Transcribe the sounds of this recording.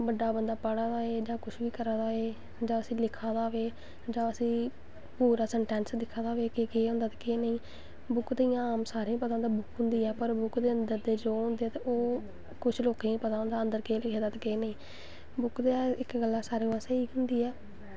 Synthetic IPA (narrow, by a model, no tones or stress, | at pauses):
bəɖaːbənd̪aːpəɽaːd̪aːeːd͡ʒãːkʊt͡ʃʰʋiːkəɾaːd̪aːeː | d͡ʒaːəsĩːlɪkʰãːd̪aːʋeː | d͡ʒãːəsĩː | puːɾaːsəɳʈɛ̃ːnsd̪ɪkʰːãːd̪aːʋeːkekeːʊ̃nd̪aːt̪e̥keːnəĩː | bʊkt̪əĩːaːmsaːɾẽːpət̪ãːd̪aːbʊkʰɦʊ̃nd̪iːɛːpəɾbʊkʰd̪eːənd̪əɾd̪eːd͡ʒoːɦʊ̃ːnd̪eːɛːt̪eʔoː | kʊt͡ʃʰloːkẽːĩːpət̪aːɦõnd̪aːənd̪əɾkeːlɪkʰẽːd̪aːt̪ːkeːnəĩː | bʊkd̪eɪkɡəlːaːsaːɾeːãːsəiːʊ̃nd̪iːɛː